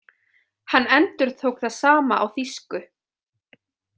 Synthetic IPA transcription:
hanːɛnt̪ʏɾ̥t̪ʰoːwkθaðsaːmaʔa̰wθiskʏ

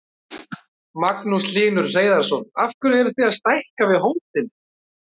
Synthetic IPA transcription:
maknusliːnʏɾ̥reːjðaɾ̥sɔnafkʏɾðɛɾʏθiaðst̪ajhkavɪðɦoːwt̪ɪn

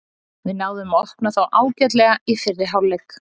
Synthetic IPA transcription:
vɪðnaːwðʏmɔhpnaθawʔaːwcɛt̪̬lɛɣaifɪrːɪɦawlːɛk

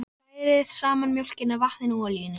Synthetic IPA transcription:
v | ɾɪðsaːmanmjowl̥cɪnavahðɪnɪalijɪnːɪ

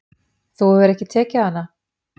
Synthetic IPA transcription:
θowvɛɾɛhcɪt̪ʰɛːcahanːa

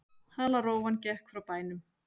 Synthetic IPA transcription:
halaɾroːwvancɛhkfɾawpaːjnʏm

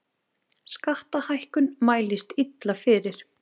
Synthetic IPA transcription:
skaht̪ahajhkʏnmaːjlɪst̪it̪lafɪːɾɪɾ̥

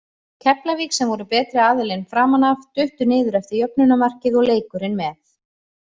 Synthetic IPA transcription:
cʰɛplaviːksɛmvɔɾʏpɛːt̪ɾɪaːðʏlɪjnfɾaːmanavt̪ʏht̪ʏɾnɪːðʏɾɛft̪ɪɾjœp̚nʏnamar̥cɪðɔɣleːjkʏɾɪnmɛθ

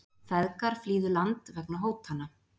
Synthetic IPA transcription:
θɛðkaɾ̥fliːðʏlant̪vɛknaɦoːwt̪hanːa

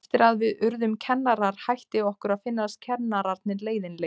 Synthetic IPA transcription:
ft̪ɪɾaðvɪðʏɾðʏmcʰɛnːaɾaɾ̥hajht̪ɪɔhkʏɾaðfɪnːast̪cʰɛnaɾaɾt̪̚nɪleːjðɪnle

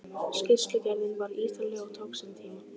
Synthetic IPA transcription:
scɪr̥sk̪ɪcajnɪnvaɾiːt̪alɛɣaɣt̪ʰoːwksant̪ʰiːma

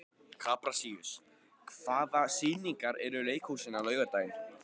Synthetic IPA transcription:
kʰaːpɾasiːʏs | kʰv̥aːðasiːniŋkaɾɛɾʏleːjkhuwsɪnalœːɥɣaɾt̪aːjɪn

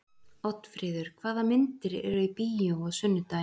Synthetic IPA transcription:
ɔwt̪fɾɪːðʏɾ̥kʰvaːðamɪnt̪ɪɾɛ̰ɾʏipijowɔɣsʏnːʏt̪a

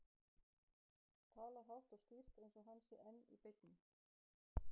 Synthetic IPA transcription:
t̪ʰaːlaɦawht̪ɔɣskir̥t̪ejnsɔɦansɪʔɛnːḭpejt̪nɪ

